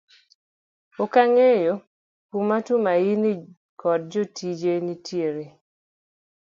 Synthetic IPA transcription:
okaŋejo | kumatumaini | kɔd̚d͡ʒotid͡ʒenitjeɾe

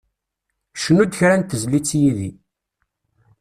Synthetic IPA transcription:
ʃənud̪çɾænt̪əzlit͡sːjiði

